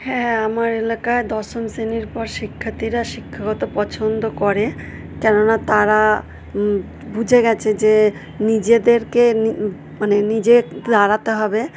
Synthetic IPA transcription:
hɛ̃amaɾelakaed̪ɔʃomseniɾpɔɾʃikʰːat̪iɾaʃikʰːaɡɔt̪opɔt͡ɕʰond̪okɔɾe | kɛnonat̪aɾa | bud͡ʑʱeɡɛt͡ɕʰed͡ʑe | nid͡ʑed̪eɾkeni | manenid͡ʑed̪aɾat̪eɦɔbe

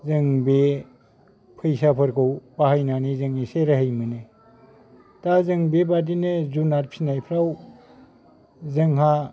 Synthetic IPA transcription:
zɯŋbe | pʰɯjsapʰɯɾkʰɯwbahajnanizɯŋiseɾaɦɯjmɯne | tazɯŋbebadinezunaɾpʰinajpʰɾaw | zɐŋɦa

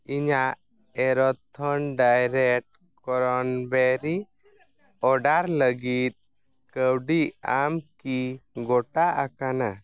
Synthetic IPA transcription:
iɲaʔ | ɛɾɔt̪ʰːɔnɖajɾɛk̚ʈ̚ | kɔɾɔnbɛɾi | ɔɖaɾləɡit̪̚ | kəwɖiʔamkiɡɔʈaʔakana

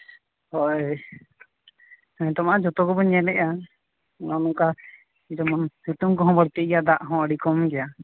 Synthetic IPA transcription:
hɔʔ | ɔɲt̪ɔmaʔad͡ʒɔt̪ɔkɔbɔɲɛlɛʔa | nɔnɔŋka | id͡ʒɔmɔnhut̪umkɔɦɔ̃baɽt̪ɛʔjad̪aʔɦɔ̃əɽikɔmɡɛja

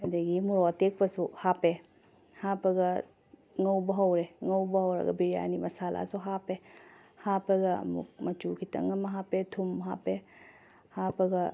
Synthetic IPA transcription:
ɐdɐɡimuɾotek̚pɐsuhape | hapɐɡɐ | ŋɐwbɐɦɐwɾeŋɐwbɐɦɐwɾɐ̰ɡɐ̰biɾija̰nimɐsalʔa̰suɦape | hapɐɡɐɐ̰mṵk̚mɐt͡ʃukʰitɐ̰ŋɐmɐɦapetʰumɦa̰pe | hapɐɡɐ

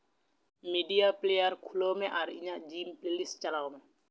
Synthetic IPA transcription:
miɖijaplejəɾkʰulomẽʔaɾḭɲãd͡ʒiːmplelis̚t͡ʃalaomẽ

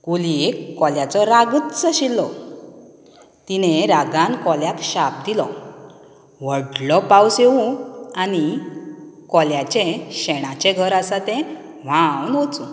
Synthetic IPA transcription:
kuliekːɔljat͡sɔɾaɡət̪t͡səɕilːɔ | t̪ineɾaɡankɔljak̪ɕap̚d̪ilɔ | ʋəɽlɔpawsewũani | kɔljat͡ɕẽɕɛɽ̃at͡ɕɛ̃ɡʱəɾasat̪ɛ̃ | ʋ̤awnɦot͡sũ

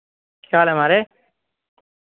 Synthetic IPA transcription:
kʰjaːlemaɾe

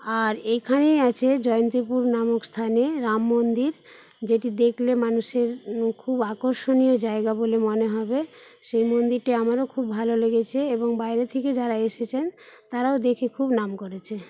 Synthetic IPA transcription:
aɾekʰanejat͡ɕʰed͡ʑɔjont̪ɾipuɾnamokst̪ʰaneɾamːond̪iɾ | d͡ʑeʈid̪ekʰlemanuʃeɾkʰubakoɾʃoniod͡ʑaeɡabolemoneɦɔbeʃejmond̪iɾʈiamaɾokʰubːʱaloleɡet͡ɕʰeeboŋbajɾet̪ʰeked͡ʑaɾaeʃet͡ɕʰent̪aɾaod̪ekʰekʰubnamkoɾet͡ɕʰe

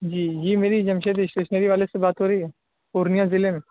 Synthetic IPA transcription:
d͡ʒiːd͡ʒiːmeːɾid͡ʒɐmʃed̪eʃɾɪʃnəɾiʋaːlesebaːt̪ɦoːɾəiɦɛː | oːɾnijãzɪlemẽ

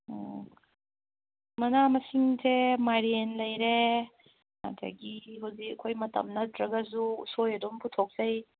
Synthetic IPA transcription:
mɐnamɐsiŋsʰemaɾenlɐjɾe | na̰tʰa̰ɡiɦawzikɐkʰːojmɐtɐ̰mnɐtʰɾɐɡɐzusojɐdomputʰok̚z̥ɐj

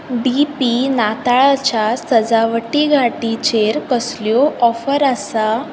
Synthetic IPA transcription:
bipinat̪aɭat͡ɕasəd͡zaʋəʈiɡʱaʈit͡ɕeɾkəsljoʔɔfəɾəsa

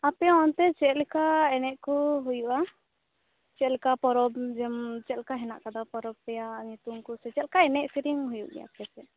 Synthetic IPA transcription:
apɛɔnt̪ɛt͡ʃɛʔlkaɛnɛʔkuɦujuʔa | t͡ʃɛlkapɔɾɔbd͡ʒɛmt͡ʃɛlkaɦɛna̰ʔkad̪apɔɾɔb̚pɛjaʔɲut̪umkusɛt͡ʃɛlkaɛnɛʔsiɾiŋɦujuʔɡɛ̰ja̰pɛsɛ

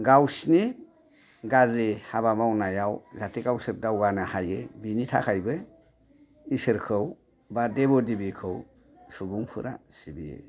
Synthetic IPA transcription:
ɡawsni | ɡazehaβamawnajawzatʰiɡawsɯɾ̚dawɡanahajɯbinitʰa̰kʰajbɯ | isɯɾkʰɯw | badebɔdibikʰɯw | subuŋpʰɯɾa̰sibiḛ

